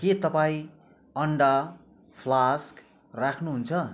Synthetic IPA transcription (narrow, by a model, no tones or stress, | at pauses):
ket̪ʌpaĩ | ʌɳɖa | pʰlask | rakʰnuɦunt͡sʰʌ